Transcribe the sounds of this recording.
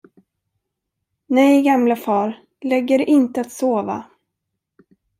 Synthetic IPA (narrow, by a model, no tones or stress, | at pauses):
nɛjɡamlafɑːɾ | lɛɡːəɾʔɪnt̪əat̪soːva̰